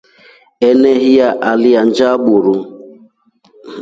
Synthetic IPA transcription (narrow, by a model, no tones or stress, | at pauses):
eneɦijaʔalɪan̩d͡ʒaɓuɾu